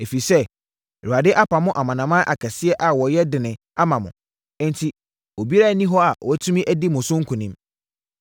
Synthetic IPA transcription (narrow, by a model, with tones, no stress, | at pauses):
e˨fi˨sɛ˦˨ | ɾu˨a˨dɪ˦ʔa˦pʰa˨mʊ̃˦ʔa˨mã˨nã˨mã˦ʔa˨kʰɛ˨sɪ˦ɛ˦ʔa˨wɔ˨jɛ˦dɪ̃˨nɪ̃˨ | a˦mã˨mʊ̃˨˦ | ntʰi˨ | o˨bi˦a˦˨˦nĩ˦ɦɔ˦a˨wʔɔ˨æ˦tʰu˦mĩ˦ʔæ˦di˦mʊ̃˨sʊ̃˦ŋ̩˦kʰʊ̃˨nɪ̃˦m